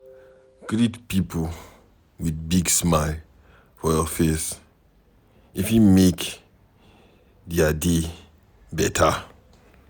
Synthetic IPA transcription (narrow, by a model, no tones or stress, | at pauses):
ɡ̥ɹitpipʰo | widbiɡsmaɪl | fɔjɔfes | ifjumek | diade | bɛtʰa